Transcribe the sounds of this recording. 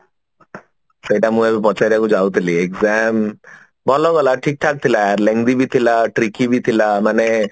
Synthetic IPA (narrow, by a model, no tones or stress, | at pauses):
sejʈamũebepɔt͡ʃajɾakud͡ʒawt̪ʰiliekzɛm | bʱɔlɔɡɔlaʈʰik̚ʈʰak̚t̪ʰilaaɾleŋd̪ibit̪ʰilaʈɾikibit̪ʰilamane